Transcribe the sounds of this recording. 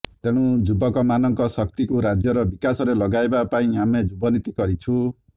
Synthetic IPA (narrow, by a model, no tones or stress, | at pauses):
t̪eɽ̃ũd͡ʒubɔkɔmanʌŋkɔsʌk̚t̪ikuɾad͡ʒjʌɾʌbikasɔɾelʌɡaebapaĩamed͡ʒubɔnit̪ikʌɾit͡ʃʰu